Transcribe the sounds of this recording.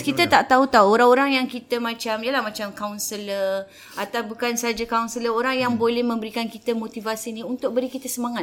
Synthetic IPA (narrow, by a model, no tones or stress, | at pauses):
kit̪ət̪aʔt̪aɦut̪auwoɾaŋoɾaŋjaŋkit̪əmãt͡ʃamiəlahmãt͡ʃamkawnsələ | at̪awbukansad͡ʒakawnsələoɾaŋjaŋbolɛhmə̃mbəɾikankit̪əmot̪ivasinĩunt̪ʊk̚bəɾikit̪əsəmaŋat̪